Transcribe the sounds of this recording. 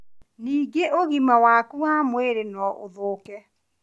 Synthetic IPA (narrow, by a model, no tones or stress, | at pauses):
niːɡeʔoɣimawaːkuaːmweɾenɔʔo̰ðoːkɛ